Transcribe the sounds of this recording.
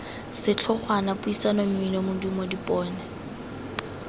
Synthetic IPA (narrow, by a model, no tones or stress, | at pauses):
sɪt͡ɬʰʊχwanapʊisanɔm̩inɔmʊdumɔdipʼɔːnɛ